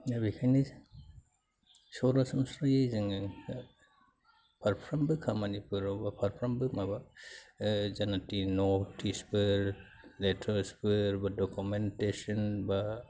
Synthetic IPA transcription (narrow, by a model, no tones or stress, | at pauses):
abikʰajni | sɔɾasɯmsɾajejzɯŋ | pʰaɾpʰɾambɯkʰamanipʰɯɾɔbapʰaɾpʰɾɔmbɯmaba | zanatinotʰisbɯɾ | letʰaɾsbɯɾbadokumentesɔnba